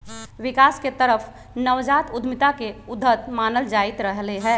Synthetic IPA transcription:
ʋɪkaːsket̪əɾəfʰ | nəʋd͡ʒaːt̪ʊd̪ʱmɪt̪akeʊd̪ʱːət̪maːnəld͡ʒaːɪt̪ɾəɦleɦɛ̃ː

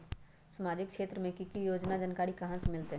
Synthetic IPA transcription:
səmaːd͡ʒɪkkʰʃeːt̪ɾəmẽkikijoːd͡ʒnad͡ʒənkaːɾikɐɦãsmɪlt̪e

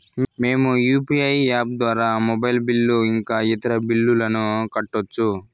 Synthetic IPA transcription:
meːmujuːpiɐjaːb̚d̪ʋaːɾaːmobɐjlbilːuiŋkaːit̪ɐɾɐbilːulɐnukɐʈːot͡ʃːu

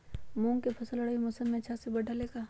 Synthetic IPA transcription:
mũːŋkepʰɐsəlɐɽaːimʊsəmːẽɐt͡ʃʰasebɐɖʱaleːɡaː

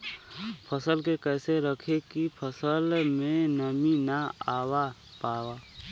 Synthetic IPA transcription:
pʰəsəlkekɛːseɾəkʰekipʰəsəlmẽnəminaaːwa | paːwa

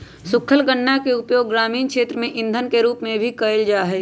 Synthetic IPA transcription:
sʊkʰəlɡəɳːakeʊpjoːɡːɾaːmiːnkʃeːt̪ɾəmẽʔɪ̃nd̪ʱənkeɾuːpmẽbʱikəɪld͡ʒaːɦɛː

